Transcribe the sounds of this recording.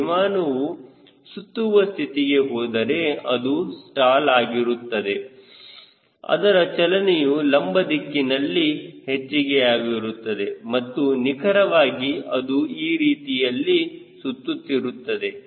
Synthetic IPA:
imaːnɐʋu | sut̪ːuʋɐst̪ʰit̪iɡe̞ɦɔːd̪ɐɾe̞ɐd̪usʈaːlaːɡiɾut̪ːɐd̪e̞ | ɐ̰d̪ɐɾɐt͡ʃɐlɐnejulɐmbɐd̪ikːinɐlːihet͡ʃːiɡeaːɡiɾut̪ːɐd̪e̞mɐt̪ːunikʰɐɾɐʋaːɡiɐd̪uiːɾiːt̪ijɐlːisut̪ːut̪ːiɾut̪ːɐd̪e̞

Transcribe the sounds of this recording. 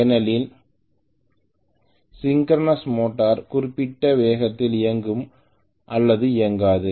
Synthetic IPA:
ɛnɐlɪl | sɪŋɡɾɐnɐsmoːʈːaːɾkʊrɪpːɪʈːɐʋeːɣɐt̪ːɪlɪjɐŋɡɯm | ʔɐlːɐðɯɪjɐŋɡaːðɯ

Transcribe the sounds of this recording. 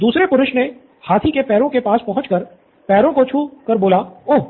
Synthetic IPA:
d̪uːsɾepʊɾʊʃne | haːt̪ʰikepɛːɾõkepaːspɐɦʊ̃t͡ʃkəɾ | pɛːɾõkot͡ʃʰuːkəɾboːlaoː

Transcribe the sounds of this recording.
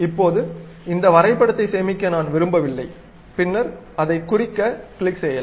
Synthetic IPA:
ɪpːoːðɯ | ɪnd̪ɐʋɐɾɐɪpːɐɽɐt̪ːɐɪseːmɪkːɐnaːnʋɪɾɯmbɐʋɪlːɐɪ | pɪnːɐɾ | ɐðɐɪkːʊrɪkːɐkɭɪkseːjɐl

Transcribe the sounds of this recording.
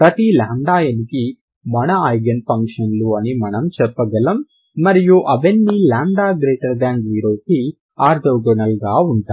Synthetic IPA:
pɾɐt̪ilaːɳɖaːjɐniki | mɐnɐɐjɡɐnpɐŋkʂɐnluɐnimɐnɐmt͡ʃɛpːɐɡɐlɐmː | ɐɾijuʔɐʋenːilaːɳɖaːɡɾeːʈɐɾɖaːɳɖʋiːɾo̞ːki | aːɾd̪ɐːɡɔnɐlɡaːuɳʈa

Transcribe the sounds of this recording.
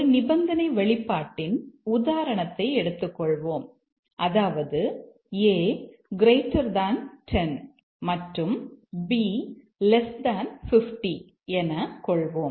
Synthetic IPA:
nɪbɐnd̪ɐnɐɪʋɛɭɪpːaːʈːɪnʊðaːɾɐɳɐt̪ːɐɪɛɽɯt̪ːɯkːɔɭʋoːm | ʔɐðaːʋɐðɯ | eːɡɪɾeɪʈːɐɾd̪aːnʈʰɛn | mɐʈrɯmbiː | lɛsd̪aːnfɪfʈi | ɛnɐkɔɭʋoːm

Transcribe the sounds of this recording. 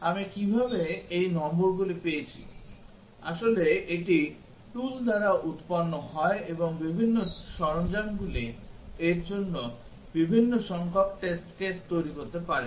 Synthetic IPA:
amikibʱabeejnɔmboɾɡulipejet͡ɕʰḭ | aʃoleeʈi | ʈuld̪ʱaɾaʔut̪panːoɦɔeeboŋbibʱinːoʃɔɾoŋd͡ʑanɡulieɾd͡ʑonːo | bibʱinːoʃɔŋkʰokʈesʈkest̪ojɾikot̪epaɾe

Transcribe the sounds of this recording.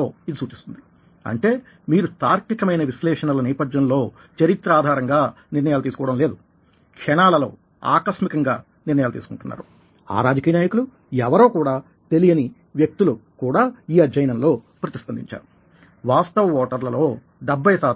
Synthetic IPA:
oːid̪isuːt͡ʃist̪und̪i | ɐ̰ɳʈe̞ː | miːɾut̪aːɾkikɐmɐjnɐʋislɛːʂɐnɐlɐnɛːpɐd̪jɐnlo̞ː | t͡ʃɐɾit̪ɾaːd̪ʱaːɾɐŋɡaː | niɾnɐjaːlut̪̬iːsu̥kɔːʋɐɽɐmle̞ːd̪u | kʂɛɳaːlɐlo̞̰ː | a̰ːkɐsmikɐŋɡaː | niɾnɐjaːlut̪iːsu̥kuɳʈunːa̰ːɾu | a̰ːɾaːd͡ʒɐkiːjɐnaːjɐkulu | ɛʋɐɾoːkuːɽaː | t̪e̞lijɐni | ʋjɐk̚t̪ulukuːɽaːiːɐd͡ʒːɐjɐnɐmlo̞ː | pɾɐt̪ist̪ɐnd̪ḭɲt͡ʃa̰ːɾu | ʋaːst̪ɐʋɐʋɔːʈɐɾlɐlo̞ː | ɖɐbːɐjɐsaː

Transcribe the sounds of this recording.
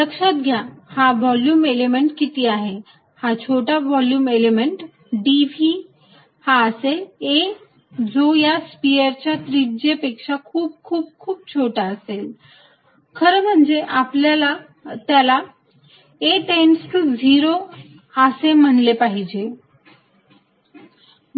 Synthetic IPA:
ləkʂət̪̚ɡʱjahaʋɔljuːmelemeɳʈkit̪iaɦe | hat͡ɕʰoʈaʋɔljuːmelemeɳʈ | ɖiʋʱi | haəsee | d͡zojaspiəɾt͡ɕjat̪ɾid͡ʑepekʂakʰuːb̚kʰuːb̚kʰuːb̚t͡ɕʰoʈaəsel | kʰəɾəm̤əɳd͡zeʔapljala | t̪jala | eʈensʈd͡zʱiɾo | asem̤əɳlepaɦid͡ʑe

